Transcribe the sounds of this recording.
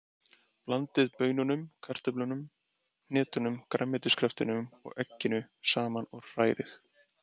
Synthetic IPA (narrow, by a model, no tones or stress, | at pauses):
plant̪ɪðpœːɥnʏnʏmkʰar̥t̪ʏplʏnʏm | nɛːt̪ʏnʏmkɾamːɛt̪ɪskɾɛft̪ɪnʏmɔ̰ɣɛcːɪnʏ | saːmanɔɾ̥aːjɾɪ̰θ